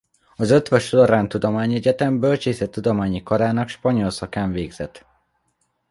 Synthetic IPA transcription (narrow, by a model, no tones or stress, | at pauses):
ɒzøt̪ʋøʃoloɾaːnt̪ud̪o̞maːɲɛɟɛt̪ɛmbølt͡ʃeːsɛt̪ːud̪o̞maːɲikɒɾaːnɒkʃpɒɲo̞lsɒkaːɱveːɡz̥ɛt̪ː